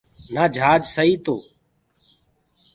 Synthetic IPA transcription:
naːd͡ʒʱaːd͡ʒsəɦiːt̪o̰ː

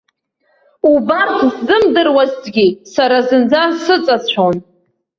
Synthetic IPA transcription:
ubartʰzzɨmdɨrwazdɡʲisaɾazɨnd͡zasɨt͡sʼat͡sʷʰon

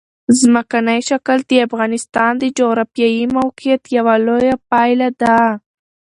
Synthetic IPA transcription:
zməkanajʃakəld̪̥əafɣɑnɪst̪ɑnd̪əd͡ʒoɣɾɑfijɑjimawqijat̪jawalojapɑjlad̪a

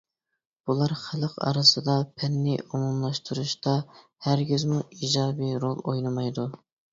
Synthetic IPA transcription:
b̥ulˠɑɾχæləqɑ̰ɾɨsɨd̪ɑpʰɛnːɪʔomumlˠɑʃt̪ʰuɾuʃt̪ɑ | hæɾɡʲyzmuid͡ʒɑːbiɾolˠojnɨmɑjd̪u

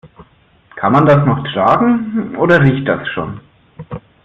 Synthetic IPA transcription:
kʰanmandasnɔχtʁ̥aːɡŋ̩ʔoːdɐʁiːçt̚d̥asʃo̰ːn

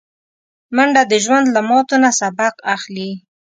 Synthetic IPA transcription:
maɳɖad̪əʒwand̪lamɑt̪onasabaqaxli

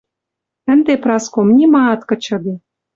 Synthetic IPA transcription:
ə̆nd̪eprɑskomnʲimɑːt̪kɤ̆t͡ɕɤ̆d̪ɤ̆

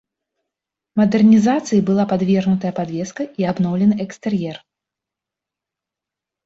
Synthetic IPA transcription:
mɐd̪ɛrnʲizat̪sɨjibɨlˠapad̪vʲɛrnut̪ɐjɛɐpad̪vʲɛskɐʔiabnɔwlʲɛnɨʔɛkst̪ɛrjɛr

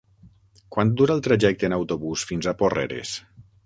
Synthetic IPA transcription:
kwand̪uɾalˠt̪ɾaʒɛk̚t̪əeːnawt̪oβusfinzaporɛ̰ɾḛs

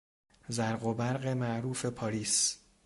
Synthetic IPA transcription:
zæɾɢobæɾɢe̞mæʔɾuːfe̞pʰɒːɾiːs

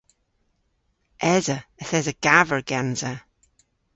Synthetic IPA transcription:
ʔɛzəəθɛzəɡ̥avəɹɡ̥anzə

